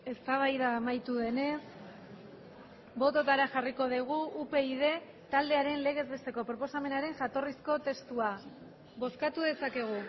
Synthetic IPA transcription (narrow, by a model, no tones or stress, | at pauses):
e̞st̪aβ̞ajðaːmajt̪uðe̞ne̞s | bo̞t̪o̞t̪aɾaʝariko̞ðiɣ̞uʔupe̞iðe̞ | t̪ald̪e̞aɾe̞nle̞ɣ̞e̞zβe̞st̪e̞ko̞pɾo̞po̞same̞naɾe̞ŋʝat̪o̞risko̞t̪e̞st̪ua | βo̞skat̪uðe̞sake̞ɣ̞u